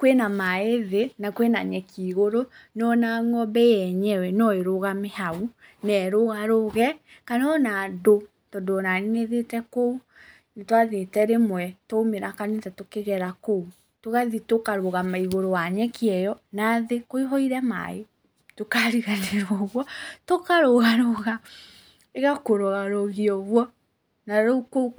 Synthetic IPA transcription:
kwenamaeðenakwena̰ɲɛkiːɣoɾonɔnaŋɔbɛjɛɲɛwɛnɔeɾoɣamehaunɛɾoɣaɾoɣɛ | kanɔnado | tɔdonaniŋeðetɛkou | ntwaðetɛɾemwɛtoːmeɾakanetatokeɣɛɾakou | toɣaðitokaɾoɣamaiɣoɾowaɲɛkiɛjɔnaðekoiɦɔiɾɛma̰e | tokaɾiɣaneɾwɔɣwɔtokaɾoɣaɾoɣa | eɣakoɾɔɣaɾoɣiɔɣwɔ | naɾouko

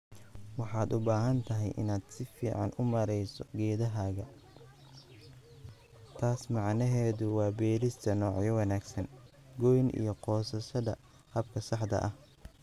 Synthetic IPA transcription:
wɑħɑːd̪ʊbaːɦɐnt̪ʰɐɦɛ̰jʔɪ̰naːd̪sɪfiːʕɑnʊmɐɾɛjsɔɡɛːðɐɦaːɣɐ | t̪ʰaːsmɑʕnɐɦɛːðʊwɑːbɛːɾɪst̪ʰɐnɔːʕjɔwɑnaːɡsɐn | ɡɔjnʔḭjɞqɔːsɐʃɐðɐ | hɐbkʰɐsɑħd̪ɐ̰ʔɐh

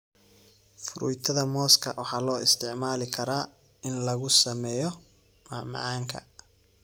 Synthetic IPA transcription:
fʊɾʊ̰jt̪ʰɐðɐmɔːskʰɐ̰wɑħɑːlɔːɪst̪ʰɪʕmaːlɪkʰɐɾaː | ɪnlɐɣʊsɐmɛːjɔ | mamɑ̰ʕɑːŋkʰɐ̰

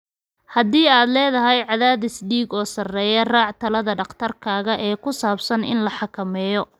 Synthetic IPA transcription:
hɐðiːaːd̪lɛːðɐɦɛjʕɑðaːðɪsɖiːɡɔːsɐrɛːjɐraːʕt̪ʰɐlɐðɐɖɑqt̪ʰɐrkʰaːɣɐʔɛːkʰʊsaːbsɐnɪ̰nlɐħɑkʰɐmɛːjɔ

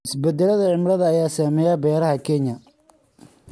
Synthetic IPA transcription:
ɪsbɛd̪ɛlɐðɐʕɪmɾɐðɐːjaːsaːmɛːjaːbɛːɾɐɦɐkʰɛnjɐ

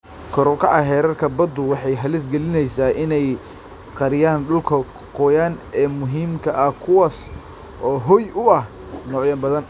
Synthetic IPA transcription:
kʰɔɾɔkʰɐʔɐɦɛːɾɐrkʰɐbɐd̪ʊwɑħɑjɦɐlɪs̬ɡɛlɪnɛjsaːʔɪnɛj | qɑɾɪjaːnɗʊlkʰɐ | qɔjaːnɛːmʊɦiːmkʰɐʔɐhkʰʊwaːs | ɔːɦɔjʊɐh | nɔːʕjɐnbɐðɐn

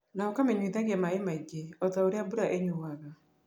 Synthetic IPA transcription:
naɔkamɛɲwiðaɣɛmaemaiɡeɔtaoɾeabuɾaʔeɲuwaða

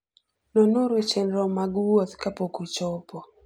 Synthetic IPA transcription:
nɔnoɾet͡ʃenɾɔmaɡwot̪kapokut͡ʃɔpɔ

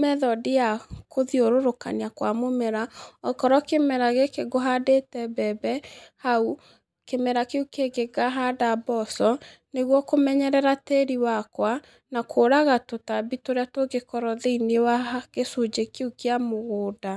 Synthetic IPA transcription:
mɛðɔdijakʰoðioɾoɾoka̰niakwamomɛɾaɔkɔɾɔkemɛɾaɣekeɡoɦadetɛbɛbɛhau | kemɛɾakeukeɡeɡaɦadabɔsɔ | neɣwɔkomɛɲɛɾɛɾateɾiwakwa | nakʰoːɾaɣatotabitoɾeatoɡekɔɾɔðeinewaɣesod͡ʑekeukeamoɣoːda

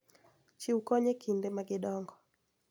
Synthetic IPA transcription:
t͡ʃiukɔɲekʰindɛmaɡɪɗɔŋɡɔ

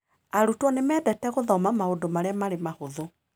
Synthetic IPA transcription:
aɾutwɔnemɛːdɛtɛɣoðɔmamaodomaɾeamaɾemahoðo

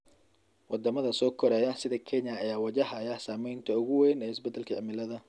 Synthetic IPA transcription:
wʔɑd̪ɐmɐðɐsɔːkʰɔɾɛːjɐsɪðɐkʰɛɲɐːjaːwɑd͡ʒɐɦɐjɐsaːmɛjnt̪ʰɐʊɣʊwɛjnɛːɪsbɛd̪ːɛlkʰɐʕɪmɪlɐðɐ

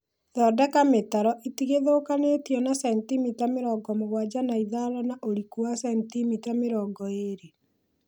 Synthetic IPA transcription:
ðɔdakametaɾɔʔitiɣeðokanetjɔnasɛntimitameɾɔːɡɔmoɣwad͡ʑanaiðaɾɔnaʔoɾikuasɛntimitameɾɔːɡɔeɾe

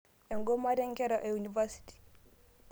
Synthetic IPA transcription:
ɛŋɡɔmaɾɛŋkɛɾaʔɛunivasi̥ti̥

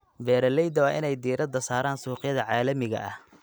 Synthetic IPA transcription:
bɛːɾɐlɛjd̪ɐwɑːʔɪnɛjd̪iːɾɐd̪ɐsaːɾaːnsuːqjɐðɐʕaːlɐmɪɣɐ̰ʔɐh

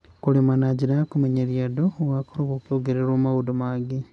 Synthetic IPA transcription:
kulimanaɟinakumeɲeɾjadowakoɾoɣokjoɡeɾeɾoːmaudomaɡi

